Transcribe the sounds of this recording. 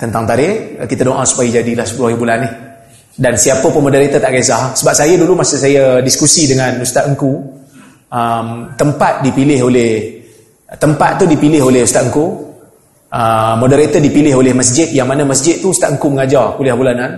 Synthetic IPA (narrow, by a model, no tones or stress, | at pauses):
t̪ənt̪aŋt̪aɾɪhkit̪ədoʔãsu̥paid͡ʒadilahsə̥pulahibulanɪh | dansiapəpəmodəɾet̪ət̪aʔɡas̬aɦasəbap̚sajədulumasəsajədiskusidəŋanust̪aʔ̪əŋku | əmt̪əmpat̪̚dipilɪɦolɪh | t̪əmpat̪̚t̪ːudipilɪɦolɪɦust̪at̪ʔəŋku | ʔəmodəɾet̪ədipilɪɦolɪhməsd͡ʒɪt̪̚jaŋmanəməsd͡ʒɪt̪̚ːuust̪aʔ̪əŋkuməŋad͡ʒarkulɪhbulanan